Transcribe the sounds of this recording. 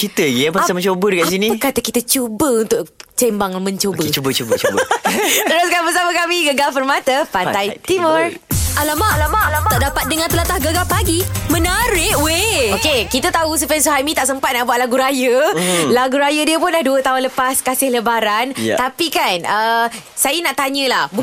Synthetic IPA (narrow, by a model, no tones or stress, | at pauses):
kit̪əjapaamə̃ɲt͡ʃobədəkasinĩkat̪əkit̪ət͡ʃubəunt̪ʊʔt͡ʃembaŋmə̃ɲt͡ʃobət͡ʃobət͡ʃobət͡ʃbt̪əɾʊskanbəsaməkamiɡəɡalpərmãt̪əpanajt̪imər | ʔalamaʔalamaʔlt̪aʔdapat̪̚dəŋãnt̪əlat̪ahɡəɡalpaɡimə̃naɾɪʔweokekit̪ət̪aus̬əpans̬uɦamĩt̪aʔsəmpat̪̚naʔbuaʔlaɡuɾajəlaɡuɾajədiəpʊnlahduət̪aɦʊnləpaskasɪhləbaɾanapikanə | sajənaʔt̪aɲə̃lahbu